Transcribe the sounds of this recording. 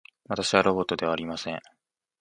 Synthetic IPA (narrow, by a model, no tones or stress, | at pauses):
βat̪aɕiβaɾo̞bo̞t̪ːo̞d̪e̞βaːɾʲimasẽ̞ɴ